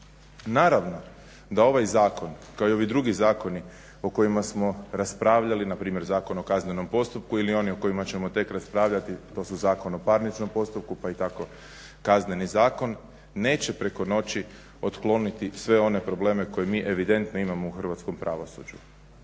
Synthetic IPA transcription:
naːɾaʋno̞ | d̪ao̞ʋajzaːko̞nkaoio̞ʋid̪ɾuɡizaːko̞ni | o̞ko̞jimasmo̞ɾaspɾaːʋʎalinapɾiːmje̞ɾzaːko̞nokazne̞no̞mpo̞st̪up̚kuilio̞nio̞ko̞imat͡ɕe̞mo̞t̪e̞kɾaspɾaːʋʎat̪it̪o̞ːsuzaːko̞nopaɾnit͡ʃno̞mpo̞st̪up̚kupait̪ako̞ | kazne̞nizaːko̞nː | e̞ːt͡ɕe̞pɾe̞ko̞no̞t͡ɕi | o̞t̪klˠo̞nit̪isʋe̞o̞ne̞pɾo̞ble̞ːmeko̞jemiːʔe̞ʋid̪e̞nt̪no̞imamo̞uxr̩ʋat̪sko̞mpɾaʋo̞sṵd͡ʑu

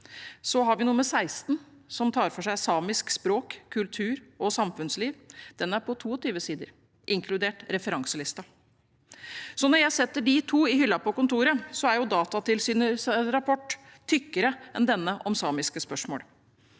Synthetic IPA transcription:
sɔɦɑɾʋɪnʊməsæɪst̪n | sɔmt̪ʰɑːɾfɔʂæɪsɑːmɪskspɾoːkʰːʉlt̪ʰʉːɾɔsɑmfʉnsliːʋd̪̥ɛnːæɾpʰɔt̪ʰuːɔt̪ʰyːʋəsiːd̪ə̰ɾ | ʔɪŋkʰlʉd̪eːʈɾɛfəɾɑŋsəlɪst̪ɑ | sɔnɔɾjæɪsɛt̪ːəɖɪt̪ʰuːɪɦʏlːɑpɔkʊnt̪uːɾəsɔæɾjʊd̪ɑːt̪ɑt̪ɪlsyːnəsɾɑpʰɔʈ̪ʰː | ʏkːəɾəʔɛnd̪ɛnːəʔɔmsɑːmɪskəspœʂmoːl

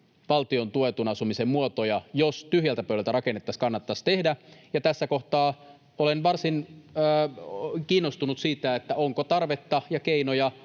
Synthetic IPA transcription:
ʋɑlt̪iont̪uet̪unɑsumisemmuot̪ojɑjost̪yhjælt̪æpøylælt̪æɾɑkenːet̪ːɑskɑnːɑt̪ːɑst̪ehdæjɑt̪æsːæko̞ht̪ɑː | olenʋɑrsinː | kiːnːost̪unut̪siːt̪æet̪ːæoŋkot̪ɑrʋe̞t̪ːɑjɑkeinojɑ

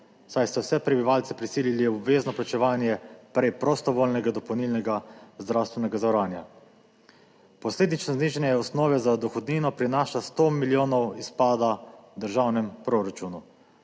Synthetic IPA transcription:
sajst̪awsɛpɾɛbiʋaːlsɛpɾisiːliliɔbʋeːznɔplat͡ʃɛʋaːnjɛpɾɛjpɾɔst̪ɔʋoːlnɛɡad̪ɔpɔwniːlnɛɡazd̪ɾawst̪ʋɛnɛɡazawɾaːnja̰ | pɔsleːd̪nit͡ʃnɔzniːʒɛnjɛɔsnɔːʋɛzad̪ɔxɔd̪niːnɔpɾinaːʃast̪omiljoːnɔwispaːd̪ad̪əɾʒaːwnɛmpɾoɾat͡ʃunu

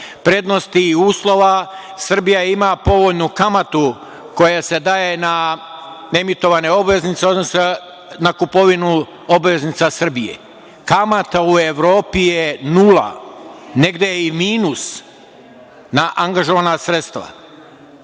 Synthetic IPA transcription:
pɾe̞d̪no̞st̪iːuːslˠo̞ʋa | sr̩bijaimapo̞ʋo̞ʎnukamat̪u | ko̞jase̞d̪ajena | e̞mit̪o̞ʋane̞o̞bʋe̞znit̪seo̞d̪nose | nakupo̞ʋinu | obʋe̞znit̪sasr̩bijḛ | kamat̪aueʋɾo̞ːpijenula̰ne̞ɡd̪ejeimiːnus | naʔaŋɡaʒo̞ʋanasɾet̪st̪ʋa̰

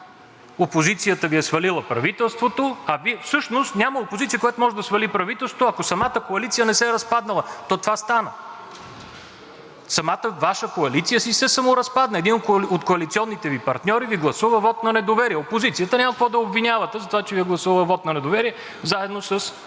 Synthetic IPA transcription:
opozit̪sijət̪əviɛsvɐlilˠəpɾɐvit̪ɛlˠst̪vot̪oɐviɛfsɤʃnost̪nʲaməopozit̪sijəkojat̪omɔʒɛd̪ɐsvɐlipɾɐvit̪ɛlˠst̪vot̪oɐkosɐmat̪əkoɐlit̪sijənɛsɛɾɐspad̪nəlˠət̪ɔt̪ovast̪anə | sɐmat̪əvaʃəkoɐlit̪sijəsisɛsɐmoɾɐspad̪nəɛd̪inot̪koot̪koɐlit̪siɔnːit̪ɛvipɐ̰ɾt̪nʲɔɾiviɡlˠɐsuvəvɔt̪nɐnɛd̪ovɛɾiɛopozit̪sijət̪ənʲaməkvɔd̪ɐobvinʲavɐt̪ɛzɐt̪ovat͡ʃɛviɛɡlˠɐsuvəvˠəvɔt̪nɐnɛd̪ovɛɾiɛ | zaɛd̪nosəs

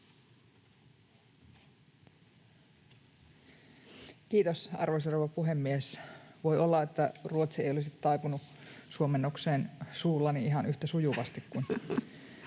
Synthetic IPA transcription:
kiːt̪osɑ̰rʋojsoroʋɑpuɦe̞mːiesʋojolːɑet̪ːæruot̪siejolisit̪tɑjpunusuomenːokseːnsuːlːɑniiɦɑnyht̪æsujuʋɑst̪ikːun

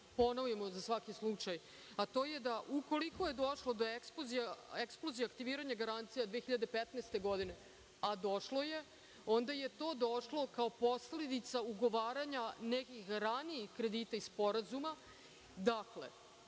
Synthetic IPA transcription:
po̞noʋujemozasʋakislut͡ʃaj | at̪o̞ːje̞d̪aʔuko̞liko̞je̞d̪o̞ʃlod̪o̞eksplozijaeksplˠozijaakt̪iʋiɾaɲaɡaɾant̪sijad̪ʋeexiʎad̪e̞pet̪nest̪e̞ɡo̞d̪ine̞ | ad̪o̞ʃlo̞je̞ | o̞nd̪aje̞t̪o̞ːd̪oʃlˠo̞kao̞po̞sle̞d̪it̪sauɡo̞ʋaːɾaɲanekixɾaniixkɾe̞d̪it̪aisspo̞ɾazuma | d̪aklḛ

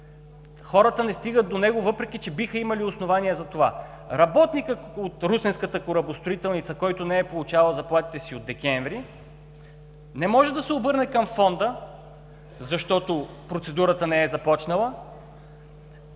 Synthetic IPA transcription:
xɔɾət̪ənɛst̪iɡəd̪d̪onɛɡovɤpɾɛk̟it͡ʃɛbixəimɐliʊsnovaniɛzɐt̪ova̰ | ɾɐbɔt̪nikəot̪ɾusɛnskət̪əkʊɾɐbʊst̪ɾʊit̪ɛlˠnit̪səkɔjt̪ʊnɛɛpolˠʊt͡ʃalˠəzɐplˠat̪i̥t̪ɛsiod̪ːɛkʲɛnvɾi | nɛmɔʒɛd̪ɐsɛobɤɾnɛkɐmfɔnd̪ə | zɐʃt̪ɔt̪o | pɾot̪sɛd̪uɾət̪ənɛɛzɐpɔt͡ʃnɐlˠə

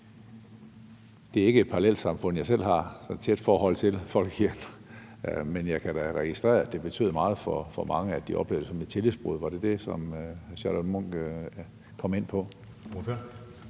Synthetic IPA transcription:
d̥e̝æɐe̝ɡ̥əe̝d̥̚pʰɑ̈ʁɑlel̰d̥sɑ̈mfɔ̽n̰jɑ̈s̬el̰ɦɑ̈sɒnt͡sʰed̥fɒːɦɒ̽l̰t͡sʰe̝lfɒ̽l̰ɡ̥ʰiɐ̰n | menjɑ̈ɪkʰæɾ̥æʁɛɡ̥isd̥ʁɛ̰ːɐd̥e̝b̥e̝t͡sʰy̰ðˠmɑ̈ːð̞̩ˠfɒfɒmɑ̈ŋəæd̥iʔɒ̽b̥le̝ʊd̥əsɒ̽me̝d̥̚t͡sʰe̝lisb̥ʁuðˠʋɑ̈ɾ̥e̝d̥e̝sɒ̽mɕælɒmɔŋ̰ɡ̥ | kʰɒ̽me̝n̰pʰɒ̽

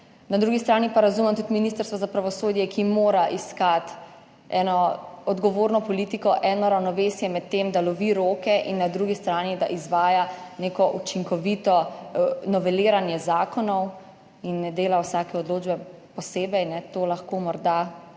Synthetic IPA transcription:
nad̪ɾuːɡist̪ɾaːnipaɾazumɛmt̪ut̪miniːst̪əɾst̪ʋɔzapɾaʋɔsoːd̪jɛkimoːɾaʔiskat̪ | ɛːnɔɔd̪ɡɔʋoːɾnɔpɔliːt̪ikɔʔɛːnɔɾawnɔʋeːsjɛmɛt̪ːeːmd̪alɔʋiɾoːkɛʔinːad̪ɾuːɡist̪ɾaːnid̪a̰ʔizʋaːjaneːkɔʔut͡ʃiŋkɔʋit̪ɔ | nɔʋɛliːɾanjɛzaːkɔnɔw | inɛd̪eːlawsaːkɛɔd̪loːd͡ʒbɛpɔseːbɛjnɛt̪oːlaxkoːmɔɾd̪a

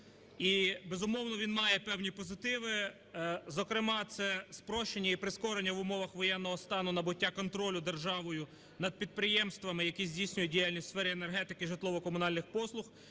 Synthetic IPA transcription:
ibe̞zʊmɔwnɔʋʲinmɑjɛpɛwnʲipɔzɪt̪ɪʋɪ | zɔkɾɪmɑt̪sɛspɾɔʃt͡ʃenʲːɐipɾɪskɔɾenʲːɐʋʊmɔʋɐxʋɔjɛnːɔɦɔst̪ɑnʊnɐbʊtʲːakɔnt̪ɾɔlʲʊd̪e̞rʒɑʋɔjʊ | nɐd̪̚pʲid̪̚pɾɪjɛmst̪ʋɐmɪjɐkʲizʲdʲijsʲnʲʊjɛdʲijalʲnʲisʲsfɛɾɪenerɦɛt̪ɪkɪʒɪt̪lˠɔʋɔkɔmʊnɑlʲnɪxpɔslˠʊx

